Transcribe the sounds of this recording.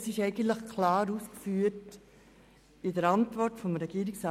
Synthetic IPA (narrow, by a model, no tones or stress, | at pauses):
sɪʃɛɪɡ̥ən̩tləχkʰlɑːɾuːskfyːt | ɪdəɾɑntvɔrtfɔmɾɛɡ̥iːɾɪksa